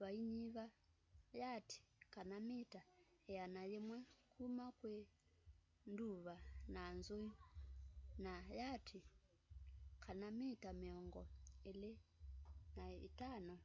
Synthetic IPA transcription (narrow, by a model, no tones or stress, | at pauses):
βaiɲiβa | jatʰi̥kanamita | ɛjanajɛmwɛkʰumakwɛ | nduβanaːnzoji | najatʰi | kʰanamitamiɔŋɡɔ̰ɛlɛ | naḭtanɔ